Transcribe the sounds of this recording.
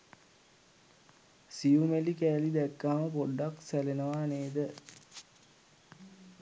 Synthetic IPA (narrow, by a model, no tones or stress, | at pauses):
sijumelikæːlid̪ɛkːaːməpoɖːaksælenəʋaːneːd̪ə